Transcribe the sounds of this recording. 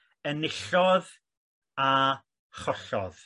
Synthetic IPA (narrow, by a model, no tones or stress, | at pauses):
ənɪɬɔð | a | χɔɬɔ̰ð̥